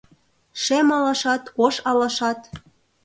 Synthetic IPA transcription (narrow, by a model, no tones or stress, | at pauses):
ʃemɑlɑʃɑt̪koʃɑlɑʃɑt̪